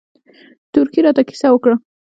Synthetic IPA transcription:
t̪ʊɾkiɾɑt̪aki̥sawəkɽa

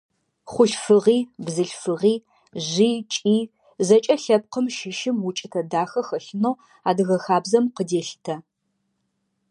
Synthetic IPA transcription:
χʷʊɬfɨʁiːbzɨɬfɨʁiː | ʑiːt͡ʃʼiː | zɐt͡ʃʼɐɬɐp̚qəmʃɪʃɪmwʊt͡ʃʼɪtʰɐdaːxɐxɐɬɨnoː | aːdɨɣɐxaːbzɐmqədeːɬtʰɐ

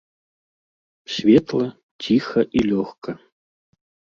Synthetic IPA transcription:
sʲvʲet̪lˠɐ | t͡sʲʰixɐʔilʲɔxkɐ

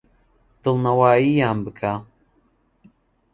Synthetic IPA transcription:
t̪ɨlˠnɐwaːjijaːnbɨkʰa

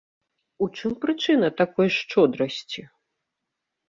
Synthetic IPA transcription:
ut͡ʂɨmpɾɨt͡ʂɨnɐt̪akɔjʂt͡ʂɔd̪ɾɐsʲt͡sʲi

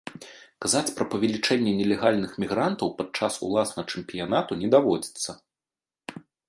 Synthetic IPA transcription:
kazat͡sʲpɾɐpɐvʲɛlʲit͡ʂɛnʲːɛnʲɛlʲɛɣalʲnɨxmʲiɣɾant̪ɐwpad̪̚t͡ʂasṵlˠasnɐt͡ʂɛmpʲijanat̪unʲɛd̪avɔd͡zʲit̪sːɐ

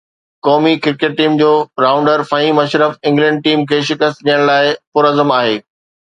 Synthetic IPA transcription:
kɔːmikɪɾkeːʈ̚ʈːiːmd͡ʑoːɾaːʊ̃ɳɖəɾfɐɦiːmɐʃɾəfɪ̃ŋɡlɛ̃ɳɖ̚ʈiːmkʰeːʃɪkəst̪̚ɗijəɽ̃laːɪpʊɾəzəmaːɦeː

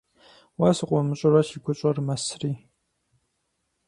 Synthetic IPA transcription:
wasɨqʷʼɔmɨɕʼɐrɐʃiɡʷʊɕʼɐrmɐsriː

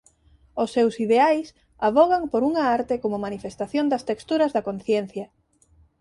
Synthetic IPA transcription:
ʊsːewsiðeajs | aβɔɣaŋpoɾuŋɐaɾt̪ɪkomʊmanifest̪aθjond̪ɐst̪ekst̪uɾɐzðɐkonθjɛn̟θjɐ

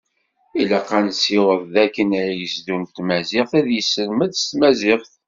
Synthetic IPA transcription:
ilæqːænsiwəðˤðækːənæɾjəsd̪unt̪mæzɪχθæðjəsːəlməðst̪mæzɪχθ

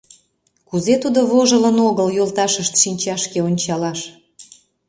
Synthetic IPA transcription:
kuzet̪ud̪oβoʒələnoɣəljolt̪ɑʃəʃt̪ʃinʲt͡ɕɑʃkeonʲt͡ɕɑlɑʃ

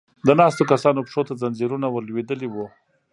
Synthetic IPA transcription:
d̪ənɑst̪okasɑnopʂot̪azanziɾunawəɾlwed̪əliwu

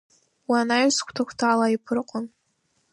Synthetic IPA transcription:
wanajskʷʰtʰakʷʰtʰaːlaipʰɨrqʼʊn

